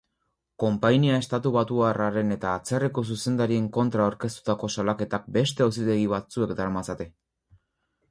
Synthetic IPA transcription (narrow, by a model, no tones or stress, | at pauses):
ko̞mpajniae̞st̪at̪uβat̪uaraɾe̞ne̞t̪aːt͡se̞riko̞s̬use̞nd̪aɾie̞ŋko̞nt̪ɾaoɾke̞st̪u̥t̪ako̞salake̞t̪ak̚be̞st̪e̞os̬it̪e̞ɣiβat͡sue̞kd̪aɾamasat̪e̞